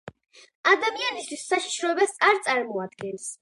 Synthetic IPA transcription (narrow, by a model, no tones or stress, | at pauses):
ad̪amianist̪wisːaʃi̥ʃɾɔɛbɛsʼaɾt̪sʼaɾmɔad̪ɡɛns